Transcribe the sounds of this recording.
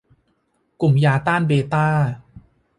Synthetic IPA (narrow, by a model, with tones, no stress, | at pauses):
ku˨˩mjaː˧t̪aː˥˩nbeː˧t̪aː˥˩